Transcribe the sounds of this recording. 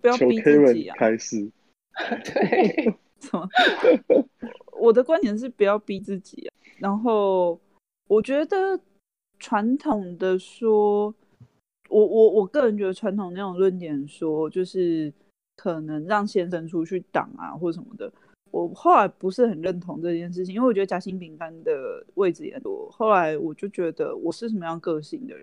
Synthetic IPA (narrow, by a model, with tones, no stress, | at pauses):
pu˧˦jɑ˥˩˧o˧i˥e˦ɪwə˨˦ḭ˨kʰa˦ɪs̩˥˩ | t̪e˥ | sə˨˩mə˨˩ | wɔ˨˩d̪ə˦kwa˥˦nt̪jɛ˧˥nʂ̬ɻ̩˥˩pu˨jɑ˥˩ʊpi˥t͡sɹ̩˥˩t͡ɕḭ˨˩a̰˨˩ | na˧˥nxo˥˩ʊ | wɔ˨˩t͡ɕɥɛ˧˦˥d̪ə˨ | ʈ͡ʂʰwa˧˦˥nt̪ʰo˨˩ŋd̪ə˨ʂwɔ˥ | wɔ˨˩wɔ˨˩wɔ˨˩kɤ˥˩ɻə˧˥nt͡ɕɥɛ˧˥d̪ə˧ʈ͡ʂʰwa˧˦nt̪ʰo˨ŋə˧na˥˩o˨˩ŋlwə˥˩nt̪jɛ˨˩nʂwɔ˥t͡ɕjo˥˧ʊʂɻ̩˥˩ | kʰɤ˨˩nə˧˦ŋɻɑ˥˩ŋɕjɛ˥nʂə˧˥nʈ͡ʂʰu˥t͡ɕʰy˥˩t̪ɑ̰˨˩ŋa̰˨xwɔ˥˩ʂ̬ə˨˩mə̰˩d̪ə˩ | wɔ˨˩xo˥˩ʊla˧˥ɪpu˧˦ʂɻ̩˥˩xə˨˩nɻə˥˩nt̪ʰo˧˥ŋd̪əɤ˥˧t͡ɕʰjɛ˥˧nʂ̬ɻ̩ʰ˩i˨i˥˩wɥɛ˧də˧t͡ɕja˧˥ɕi˥ŋpi˧˥ŋka˥˦nd̪ə˨we˥˩ɪd͡z̩˨ḭ˨jɛ̰˧˥nwɔ̰˨˩xo˥˩ʊla˧˥ɪwɔ˨˩t͡ɕjo˥˩ʊt͡ɕɥɛ˧˥d̪ə̰˧wɔ˨˩ʂɻ̩˥˩ʂ̬ə˨˩mə˦jɑ˥˧ŋkɤ˥˧ɕi˥˩ŋd̪ə̰˩ɻ